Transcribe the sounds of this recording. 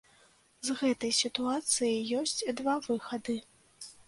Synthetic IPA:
zɣɛt̪ɐjsʲit̪uat̪sɨjɐjjɔsʲt͡sʲd̪vavɨxɐd̪ɨ

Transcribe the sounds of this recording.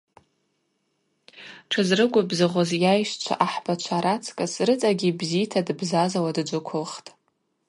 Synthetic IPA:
ʈ͡ʂʰazrɨɡʷabzɨʁʷozjajʃt͡ʃʷʰa̰ʔaħbat͡ʃʷʰaɾat͡sʰkʼasrɨt͡sʼaɡʲibzitʰadɨbzazawadd͡ʒʷʊkʷʰʊlχtʼ

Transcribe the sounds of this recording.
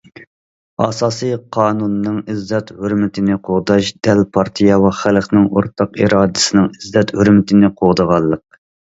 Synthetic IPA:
ɑsɑːsɨjqʰɑːnunːɨŋizːɛt̪høɾmɪt̪ʰɪnɪqʰoʁd̪ɑʃd̪̥ɛlpʰɑɾt̪ʰijɑvɑχælχnɪŋo̰ɾt̪ʰɑqiɾɑːd̪ɨsɨnɨŋɪzːɛt̪høɾmɪt̪ʰɪnɪqʰoʁd̪əʁɑlˠːəq̚

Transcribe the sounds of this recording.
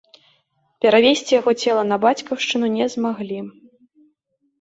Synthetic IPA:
pʲɛɾavʲesʲt͡sʲijaɣɔt͡sʲɛlˠɐnɐbat͡sʲkɐwʂt͡ʂɨnunʲɛzmaɣlʲi

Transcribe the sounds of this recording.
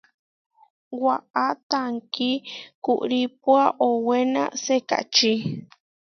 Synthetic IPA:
waʔat̪aŋkikuʔɾip̚waʔowena̰seka̰t͡ʃi

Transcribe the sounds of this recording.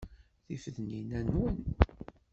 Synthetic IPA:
θifðninænun

